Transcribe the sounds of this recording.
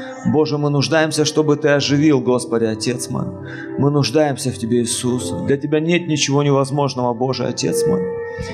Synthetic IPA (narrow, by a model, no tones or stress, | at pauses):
bo̞ʐɨmɨnʊʐd̪ajɪmsʲəʂt̪o̞bɨt̪ɨɐʐɨvʲilˠɡo̞spədʲɪɐtʲe̞t̪smo̰j | mɨnʊʐd̪ajɪmsʲəftʲɪbʲe̞ɪsusd̪lʲɐtʲɪbʲanʲe̞t̪̚nʲɪt͡ɕɪvo̞nʲɪvɐzmo̞ʐnəvəbo̞ʐɨ̰ɐ̰tʲe̞̰t̪smo̰j